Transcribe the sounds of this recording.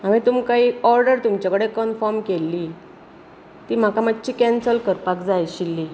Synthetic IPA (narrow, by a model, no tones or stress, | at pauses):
amit̪umkaɦiːɔɾɖəɾt̪umt͡ɕakəɽekənfɔɾmkelːiː | t̪iːm̤akamatt͡ɕiːkɛnsəlkəɾpakd͡zajɕilːi